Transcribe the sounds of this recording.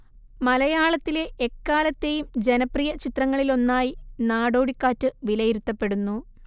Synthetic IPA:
mɐlɐjaːɭɐt̪ːile̞ʔːkːaːlɐt̪ːe̞jumd͡ʑe̞nɐprijɐt͡ɕit̪rɐŋːɐɭilo̞nːaːjinaːɽo̞ːɽikːaːtːɨʋilɐjiɾut̪ːɐpːe̞ɽunːu

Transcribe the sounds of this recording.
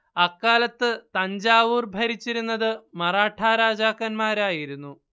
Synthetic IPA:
ɐkːaːlɐt̪ːɨt̪ɐɲd͡ʑaːʋuːrbʱɐɾit͡ɕːiɾunːɐðɨmɐraːʈʰaːɾaːd͡ʑaːkːɐnmaːɾaːjiɾunːu

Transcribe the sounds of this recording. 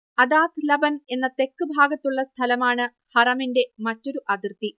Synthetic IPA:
ɐd̪aːt̪ʰɨlɐbɐne̞nːɐt̪e̞kːɨbʱaːɡɐt̪ːuɭːɐst̪ʰɐlɐmaːɳɨ | hɐrɐminde̞mɐtːo̞ɾuʔɐd̪irt̪i

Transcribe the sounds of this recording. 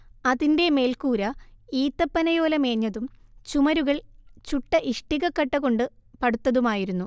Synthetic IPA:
ɐðinde̞me̞ːlkuːɾɐiːt̪ːɐpːɐnɐjo̞ːlɐme̞ːɲːɐðumt͡ɕumɐɾuɣɐɭt͡ɕuʈːɐʔiʂʈiɣɐkːɐʈːɐɣo̞ɳɖɨpɐɽut̪ːɐðumaːjiɾunːu

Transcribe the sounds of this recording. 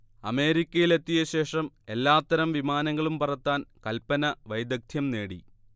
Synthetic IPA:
ɐ̰me̞ːɾikʲːɐjile̞t̪ːijɐɕe̞ːʂɐm | e̞lːaːt̪ːɐɾɐmʋimaːnɐŋːɐɭumpɐrɐt̪ːaːnkɐlpɐnɐʋɐjd̪ɐk̚t̪ʰjɐmne̞ːɽḭ

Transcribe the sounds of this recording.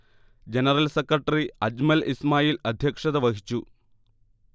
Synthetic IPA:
d͡ʑenɐrɐlsekrɐʈːɐriɐd͡ʑmɐlismaːjiːlɐd̪ʱjɐkʂɐðɐʋɐɣit͡ɕːu

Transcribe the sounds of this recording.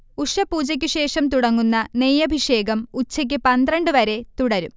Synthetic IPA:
uʂɐpuːd͡ʑɐk̬ʲːuɕe̞ːʂɐmt̪uɽɐŋːunːɐnejɐbʱiʂe̞ːɡɐmut͡ɕːɐk̬ʲːɨpɐnd̪rɐɳɖɨʋɐɾe̞t̪uɽɐɾum

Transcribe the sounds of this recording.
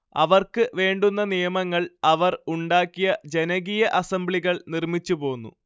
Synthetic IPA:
ɐ̰ʋɐrkɨʋe̞ːɳɖunːɐnijɐmɐŋːɐɭɐʋɐruɳɖaːkːijɐd͡ʑe̞nɐɣijɐʔɐsɐmbɭiɣɐɭnirmit͡ɕːupo̞ːnːṵ

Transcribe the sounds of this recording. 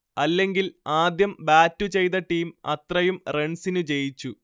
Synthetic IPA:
ɐlːe̞ŋɡilaːd̪jɐmbaːtːut͡ɕe̞jt̪ɐʈːiːmɐ̰t̪rɐjumreɳsinut͡ɕe̞jit͡ɕːu

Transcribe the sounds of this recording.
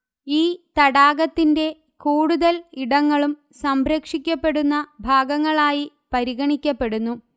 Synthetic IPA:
iːt̪ɐɽaːɡɐt̪ːinde̞ | kuːɽuðɐliɽɐŋːɐɭum | sɐmbɾɐkʂikʲːɐpːe̞ɽunːɐbʱaːɡɐŋːɐɭaːji | pɐɾiɣɐɳikʲːɐpːe̞ɽunːu

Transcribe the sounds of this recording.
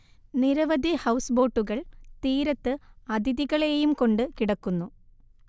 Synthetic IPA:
niɾɐʋɐd̪ʱihɐwsɨbo̞ːʈːuɣɐɭt̪iːɾɐt̪ːɨɐd̪ʱiðiɣɐɭe̞jumko̞ɳɖɨkiɽɐkːunːu

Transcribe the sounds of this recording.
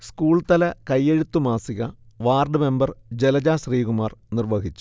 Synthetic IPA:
skuːɭt̪ɐlɐkɐjːeɻut̪ːumaːsiɣɐʋaːrɖɨme̞mbɐrd͡ʑelɐd͡ʑaːsriːɣumaːrnirʋɐɦit͡ɕːu̥

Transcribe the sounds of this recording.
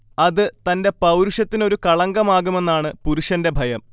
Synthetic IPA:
ɐðɨt̪ɐnde̞pɐwɾuʂɐt̪ːino̞ɾukɐɭɐŋɡɐmaːɣume̞nːaːɳɨpuɾuʂɐnde̞bʱɐjɐm

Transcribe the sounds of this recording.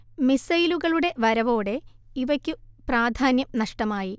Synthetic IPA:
misɐjluɣɐɭuɽe̞ʋɐɾɐʋo̞ːɽe̞iʋɐkʲːupraːd̪ʱaːnjɐmnɐʂʈɐmaːji

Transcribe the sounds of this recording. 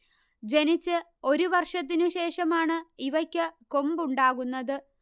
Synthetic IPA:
d͡ʑe̞nit͡ɕːɨ | o̞ɾuʋɐrʂɐt̪̬ːinuɕe̞ːʂɐmaːɳɨiʋɐkʲːɨko̞mbuɳɖaːɣunːɐðɨ

